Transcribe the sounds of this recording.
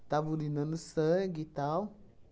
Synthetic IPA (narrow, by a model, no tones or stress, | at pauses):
tavulinə̃nɨsəɡitaw